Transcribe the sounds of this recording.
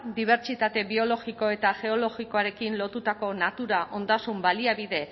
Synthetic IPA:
d̪iβ̞e̞ɾt͡ʃit̪at̪e̞βio̞lo̞ɣiko̞e̞t̪aʝe̞o̞lo̞ɣiko̞aɾe̞kinlo̞t̪ut̪ako̞nat̪uɾaʔo̞nd̪asumbaliaβiðe̞

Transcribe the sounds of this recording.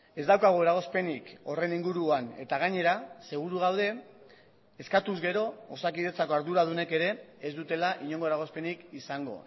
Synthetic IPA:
e̞zd̪awkaɣ̞oeɾaɣo̞spe̞niko̞re̞niŋɡuɾuane̞t̪aɣ̞aɲe̞ɾase̞ɣ̞uɾuɣ̞awð̞e̞ː | skat̪uzɣe̞ɾo̞ːsakiðet͡sako̞aɾðuɾað̞une̞ke̞ɾe̞ːzd̪ut̪e̞laʔiɲo̞ŋɡoɾaɣ̞o̞spe̞nikisaŋɡo̞̰

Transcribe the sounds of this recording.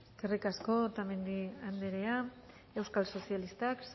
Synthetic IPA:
skerikasko̞t̪ame̞nd̪iand̪eɾe̞a | e̞wskalso̞sialist̪aks

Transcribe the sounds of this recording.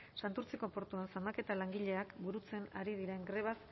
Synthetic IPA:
sant̪uɾt͡siko̞po̞ɾt̪uensamake̞t̪alaŋɡiʎe̞akbuɾut͡se̞naɾið̞iɾe̞ŋɡɾe̞β̞as

